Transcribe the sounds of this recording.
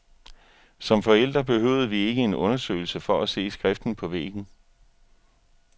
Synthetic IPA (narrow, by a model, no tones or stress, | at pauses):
sɒ̽mfɒ̽el̰d̥ʁɐb̥e̝ɦøʊð̞ˠəʋie̝ɡ̥əe̝nɔ̽nɐsø̰ːɪl̩səfɒ̽ʔæse̝̰ːsɡ̥ʁɛfd̥n̩pʰɒ̽ʋḛːɡ̥n̩